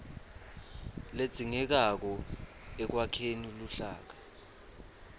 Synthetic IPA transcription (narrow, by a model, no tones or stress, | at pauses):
le̥d͡z̥ʱiŋɛk̬ak̬ɔ | ɛk̬wakʰeniluɬaːk̬ḁ